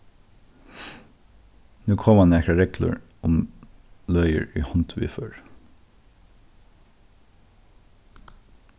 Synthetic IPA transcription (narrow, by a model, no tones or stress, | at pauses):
nʉːkʰɔmɑnækɾɑɹɛkʰlə̰ɹ | ʊm | lœʏə̰ɹḭːhɔnt̪ʰʋɪ̰ːføːɹ